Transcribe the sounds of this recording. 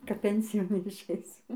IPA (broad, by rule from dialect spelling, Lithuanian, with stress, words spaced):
kɐp ˈpʲɛnʲsʲɪjoːn ɪʃɐɪˈsʲʊ